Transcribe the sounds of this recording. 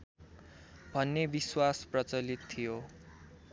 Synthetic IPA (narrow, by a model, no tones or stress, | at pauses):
bʱʌnːebiswasprʌt͡sʌlit̪ʰːijo